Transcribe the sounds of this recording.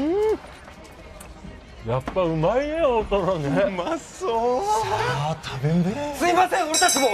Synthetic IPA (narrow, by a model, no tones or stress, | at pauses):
ɯ | japːaɯ̟maineot̪ononemaso | at̪ʰabẽnd̪esɨimasẽoɾet̪akimo